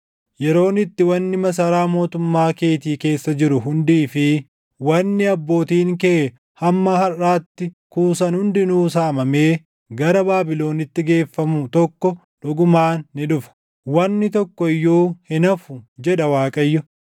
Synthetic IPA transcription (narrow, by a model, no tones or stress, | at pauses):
jɛɾo̞ːnɪt̪ːɪwɐnːɪmɐs̬ɐɾaːmo̞ːt̪ʊmːaːke̞ːt̪iːke̞ːsːɐd͡ʒɪɾʊɦʊnd̪iːfɪ | wɐnːɪɐbːo̞ːt̪iːŋkeː | hɐmːɐɦɐraːt̪ːɪ | kuːsɐnhʊnd̪ɪnuːsaːmɐme̞ː | ɡɐɾɐbaːbɪlo̞ːnɪt̪ːɪɡe̞ːfːɐmʊt̪ɔkːɔ | ᶑʊɡʊmaːnːɪᶑʊfɐ̥ | wɐnːɪt̪ɔkːɔɪjːoːhɪnɐfʊd͡ʒɛᶑɐwaːkʼɐjːʊ